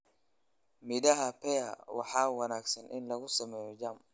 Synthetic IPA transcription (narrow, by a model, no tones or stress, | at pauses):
mɪd̪ɐɦɐpɛjɐwʔɑ̰ħɑːwɐnaːɡsɐnʔɪ̰nlɐɣʊsɐmɛːjɔd͡ʒɐm